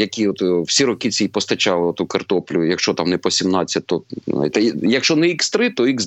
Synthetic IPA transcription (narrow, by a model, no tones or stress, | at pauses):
jɐkʲiɔt̪wsʲiɾɔkɪt͡sʲɛipɔst̪ɐt͡ʃɑlˠɪɔt̪ukɐrt̪ɔplʲʊjɐkʃt͡ʃɔt̪ɑmnɛpɔsʲimnɑt͡sʲːɐt̚ʲt̪ɔa̰jt̪ɛjɐkʃt͡ʃɔnɛikst̪ɾɪt̪ɔiɣz